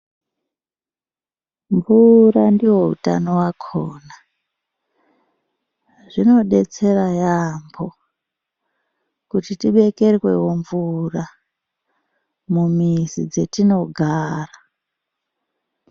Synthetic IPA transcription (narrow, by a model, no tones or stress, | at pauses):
ɱvurandiwo̞ṵta̰nowakʰoːna | ʐino̞ɗe̞t͡se̞rajambo̞ | kutitiɓe̞ke̞rwe̞̰wo̞ɱvura | mumizid͡ze̞tino̞ɡʱaːra